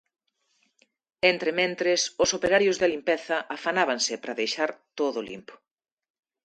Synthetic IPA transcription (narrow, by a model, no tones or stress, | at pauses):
ent̪ɾɪmẽnt̪ɾɪsʊsopeɾaɾjʊzðɪlimpɛθɐʔafanaβaŋsɪpɾaðejʃaɾt̪oðʊlḭmpo̥